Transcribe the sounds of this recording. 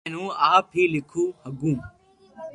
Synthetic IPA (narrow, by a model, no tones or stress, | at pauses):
nũːaːpʰiːlɪkʰuːhəɡũː